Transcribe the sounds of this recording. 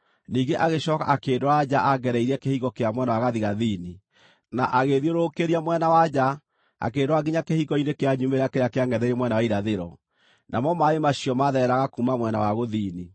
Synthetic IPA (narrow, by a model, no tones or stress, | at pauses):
niːŋɡeʔaɣeɕɔka̰ʔakeːdoad͡ʒaʔaɡɛɾɛiɾɛkehiɣɔkeamwɛnawaɣaðiɣaðiːni | naʔaɣeðioɾokeɾiamwɛnawad͡ʒa | a̰keːndoaɡiɲakehiɣɔinekeaɲumeɾakeɾeakeaŋɡɛðɛɾemwɛnawaiɾaðeɾɔ̰ | nʔamɔmaemaɕiɔmaðɛɾaɣakumamwɛna̰waɣoðini